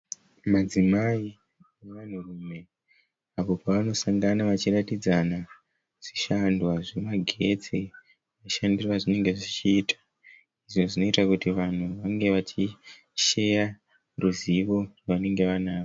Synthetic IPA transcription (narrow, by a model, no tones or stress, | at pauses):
mad͡zimai | eʋan̤urume̞ | apo̞paʋano̞saŋɡanaʋat͡ʃiratid͡zana | ʐ̥iʃandwaʐemaɡʱe̞d͡ze | ʋaiʃandirwaʐine̞ŋɡe̞ʐit͡ʃiːtʰḁ | iʐoʐino̞itakutiʋan̤uʋaŋɡe̞ʋat͡ʃi | ʃe̞ja | ruziʋo̞rane̞ŋɡe̞ʋanaːo